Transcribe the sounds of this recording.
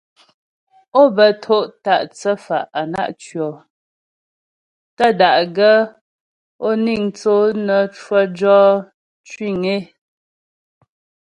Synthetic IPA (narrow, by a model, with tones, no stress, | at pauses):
o˦˨bə˨tʰo˦˨ʔta˦˨ʔt͡sə˦fa̰˨ʔa˨na̰˦ʔt͡ʃɥɔ˨ | tə˦da˨ʔɡə˦ | o˦ni˦˨ŋt͡so˦nə˨t͡ʃwə˦d͡ʒɔ˦ | t͡ʃwi˦˨ŋe˦